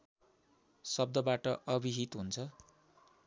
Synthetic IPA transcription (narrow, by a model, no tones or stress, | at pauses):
sʌb̚d̪ʌbaʈʌʔʌbʱiɦit̪ɦunt͡sʰʌ